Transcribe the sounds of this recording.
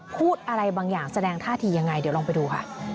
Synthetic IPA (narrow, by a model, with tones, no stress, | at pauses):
pʰuː˥˩t̪̚ʔa˧ɾa˧jbaː˧ŋjaː˨˩ŋsa˧dɛː˧ŋt̪ʰaː˥˩t̪ʰiː˧ja˧ŋːa˧jd̪i˨˦wlɔː˧pa˧jduː˧kʰa̰˥˩